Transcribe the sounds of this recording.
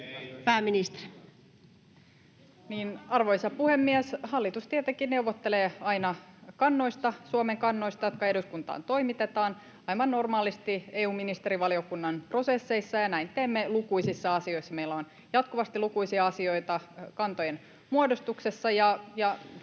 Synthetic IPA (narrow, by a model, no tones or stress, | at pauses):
pæːmːinist̪er | niːnɑrʋoisɑpuhe̞mːiæshɑlːit̪ust̪ieæt̪ekineuʋːot̪ːeleːɑinɑkɑnːo̞ist̪ɑsuomeŋkɑnːoist̪ɑjot̪̚kɑe̞duskunt̪ɑ̰ːnt̪o̞imit̪et̪ɑːn | ɑiʋɑnːormɑːlist̪ieːuːminist̪eɾiʋɑliokunːɑnpro̞sesːe̞isːɑjɑnæint̪eːmːelukuisisːɑɑsio̞isːɑmeilːæon | jɑt̪kuʋɑst̪ilukuisiɑɑsio̞it̪ɑkɑnt̪ojen | muodost̪uksesːɑjɑjɑ